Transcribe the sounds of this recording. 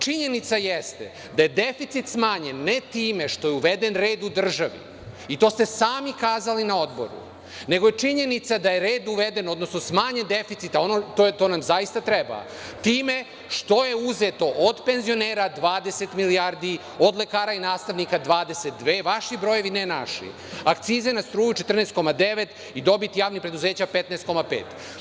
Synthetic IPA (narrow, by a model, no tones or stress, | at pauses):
t͡ʂiɲe̞nit̪sajest̪ḛ | d̪aje̞d̪efit̪sit̪smaːɲenːet̪iːme̞ʃt̪o̞jeuʋed̪e̞nɾe̞ːd̪ud̪r̩ʒaʋḭ | it̪o̞ːst̪e̞saːmikaːzalinao̞d̪bo̞̰ɾṵ | ne̞ɡo̞jet͡ʂiɲe̞nit̪sad̪ajeɾe̞ːd̪uʋed̪e̞no̞d̪nosnosmaːɲe̞nd̪efit̪sit̪ao̞not̪ot̪o̞ːnamzajist̪at̪ɾeba̰ | t̪iːme̞ | ʂt̪o̞je̞uzet̪o̞ʔod̪pe̞nzio̞neːɾad̪ʋaːd̪e̞se̞t̪miliaɾd̪i | o̞d̪le̞kaːɾainaːst̪aʋnikad̪ʋaːd̪eset̪̚d̪ʋeːʋaʃibɾo̞je̞ʋinenaʃḭ | akt̪siːzenast̪ɾuːjut͡ʃet̪r̩nest̪ko̞mad̪e̞ʋet̪ | id̪o̞bit̪ijaːʋnipɾe̞d̪uze̞ːt͡ɕapet̪nɛest̪ko̞mapḛːt̪